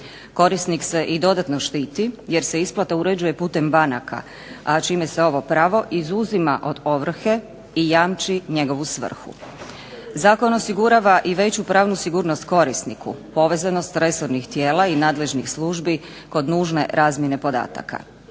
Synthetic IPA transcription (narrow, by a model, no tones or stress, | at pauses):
ko̞ɾisnikse̞ʔid̪o̞d̪at̪no̞ʃt̪iːt̪ije̞ɾse̞isplˠat̪auɾe̞d͡ʑuje̞puːt̪e̞mbanaka̰ | at͡ʃime̞seo̞ʋo̞pɾaːʋo̞ʔizuzimaʔo̞d̪o̞ʋr̩xe̞ | ijaːmt͡ʃiɲe̞ɡo̞ʋusʋr̩xṵ | zaːko̞no̞siɡuɾaʋaʔiʋe̞t͡ɕupɾaːʋnusiɡuːɾnost̪ko̞ɾisnikṵpo̞ʋe̞zano̞st̪ɾe̞soɾnixt̪je̞ːlˠainaːd̪le̞ʒnixsluːʒbi | ko̞d̪nuːʒne̞̰ɾʔaːzmje̞ne̞po̞d̪a̰ːt̪a̰kʰa̰